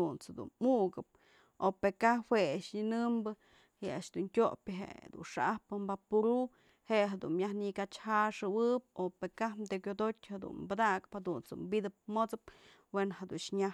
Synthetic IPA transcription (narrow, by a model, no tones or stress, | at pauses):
unt͡sad̪ṵnmuɡɨp̚ | opekaweaʔʂɲinɨmbɨ | hea̰ʔʃd̪unkʲoʔpʲɨɦḛʔd̪ṵnʂaʔahpɨmbapuɾu | heʔɦed̪unmjahnikat͡ʃhaʂɨwɨp̚opekahmd̪ekʲod̪otʲhad̪ṵnbɨd̪akɨ̥phad̪unt͡sṵmbid̪ɨp̚mot͡sɨp̚ | wenhad̪unʃɲa